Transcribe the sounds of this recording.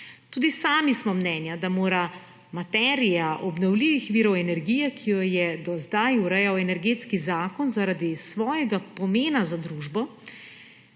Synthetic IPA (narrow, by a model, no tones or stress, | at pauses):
t̪uːd̪isaːmismɔmnɛːnjad̪amoːɾa | mat̪ɛːɾijaʔɔbnɔwliːʋixʋiːɾɔwɛnɛɾɡiːjɛkʰijɔjɛd̪ɔzd̪ajuɾɛjawɛnɛɾɡeːt̪skizaːkɔnzaɾad̪isʋɔːjɛɡapɔmeːnazad̪ɾuːʒbɔ